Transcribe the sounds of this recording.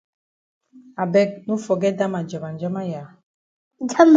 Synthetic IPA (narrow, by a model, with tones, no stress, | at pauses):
a˨bɛ˦k̚nu˦fɔ˨ɡɛ˦da˦ma˨d͡ʒɔ˨ba˨nd͡ʒɔ˦ma˦ja˨ | d͡ʒa˦m